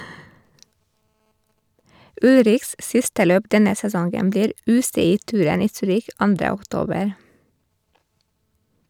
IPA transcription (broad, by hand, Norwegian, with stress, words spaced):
ˈʉlɾɪçs ˈsɪstə ˈløːp ˈdɛnə sɛˈsɔŋɡəm ˈbliːɾ ˈʉːsɛˌiːˌtʉːɾən ˈiː ˈsyːɾɪç ˈɑndɾə ɔkˈtoːbəɾ